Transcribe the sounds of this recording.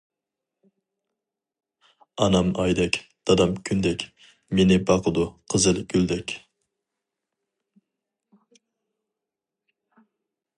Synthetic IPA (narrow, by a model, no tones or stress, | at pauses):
ɑnɑmɑjd̪ɛkʲd̪̥ɑd̪ɑmkʲʰynd̪ɛkʲ | menɪbɑqʰəd̪uqʰəzɨlɡʲyld̪ɛkʲ